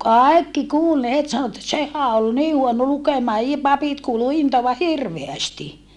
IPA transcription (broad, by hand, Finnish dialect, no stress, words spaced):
kɑˑi̯kːi kuːl ne het sɑno etːæ sehæ ol niː huono lukemɑː i pɑpit kuːlu intoɑʋɑ hirʋeæsti